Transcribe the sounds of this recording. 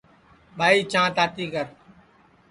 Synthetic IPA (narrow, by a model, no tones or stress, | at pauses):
ɓʱaːiːt͡ʃãːt̪aːt̪iːkəɾ